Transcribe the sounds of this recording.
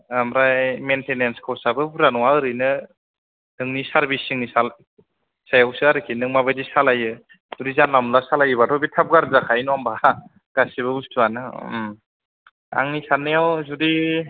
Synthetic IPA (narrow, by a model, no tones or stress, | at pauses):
amɾajmentenenskʰawsabɯbuɾanɔwaɯɾɯjnɯ | nɯŋnisaɾbisiŋnisal | sajawsɯaɾɯkʰinɯŋmabajdisalajɯ | zudizanlamlasalajɯbatʰɔbitʰap̚ɡaɾzakʰajnɔamba | ɡ̥asibɯustuanɯ | a̰ŋnisanːɯjawzudi